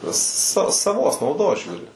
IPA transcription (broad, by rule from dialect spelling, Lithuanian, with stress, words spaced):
sɐ sɐˈʋoːs nɐʊˈdoːs ˈʒʲuːrʲɪ